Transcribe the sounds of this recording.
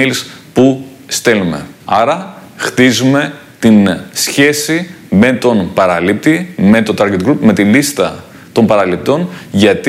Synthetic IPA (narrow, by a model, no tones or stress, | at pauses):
ilspust̪e̞lume̞̰ɐɾɐxt̪izume̞ | t̪insçe̞si | me̞t̪o̞npɐɾɐlip̚t̪ime̞t̪o̞t̪ɐɾɡet̪ɡɾupme̞t̪ilist̪ɐ | t̪o̞mpɐɾɐlip̚t̪o̞nʝɐt̪